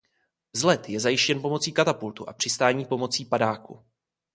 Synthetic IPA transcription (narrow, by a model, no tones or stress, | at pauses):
zlɛt̪jɛzajɪʃcɛnpo̞mo̞t͡siːkat̪apult̪ṵʔa̰pr̝̥ɪst̪aːɲiːpo̞mo̞t͡siːpadaːkṵ